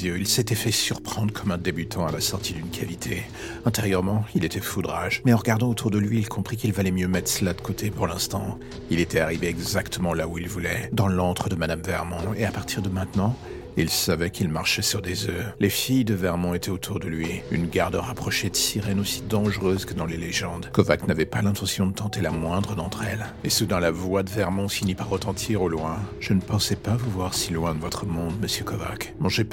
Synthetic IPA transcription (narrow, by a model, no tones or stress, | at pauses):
øilset̪ɛfɛsyʁpχɑ̃d̪ʁəkʰɔmɛ̃d̪ebyt̪ʰɑ̃alasɔʁt̪ʰid̪ynkʰalit̪ʰe | ɛ̃t̪eʁjœʁmɑ̃ilet̪ɛfud̪ʁaʒmɛɑ̃ʁəɡaʁd̪ɑ̃ot̪ʰuʁd̪əlɥiːlkʰɔ̃pχikilvalɛmjømɛt̪χsəlad̪ə̥kʰot̪ʰepuʁlɛ̃st̪ɑ̃ | ilet̪ɛaʁiveɛɡzakt̪əmɑ̃lauilvulɛd̪ɑ̃lɑ̃t̪χəd̪əmad̪amvɛʁmɔ̃eapaʁt̪ʰiʁd̪əmɛ̃t̪nɑ̃ | ilsavɛkʰilmaʁʃɛsyʁd̪ezølefijd̪əvɛʁmɔ̃et̪ʰɛot̪ʰuʁd̪əlɥiynɡaʁd̪əʁapχɔʃed̪əsiʁɛnosi̥d̪ɑ̃ʒəʁøzkəd̪ɑ̃leleʒɑ̃d̪kɔvaknavɛpalɛ̃t̪ɑ̃sjɔ̃d̪ət̪ɑ̃t̪elamwɛ̃d̪ʁəd̪ɑ̃t̪χɛlesud̪ɛ̃lavwad̪əvɛʁmɔ̃finipaʁːət̪ɑ̃t̪ʰiʁolwɛ̃ʒ̥ənəpɑ̃sɛpavuvwaʁsilwɛ̃d̪əvɔt̪χəmɔ̃d̪məsjøkɔva̰kmɑ̃ʒe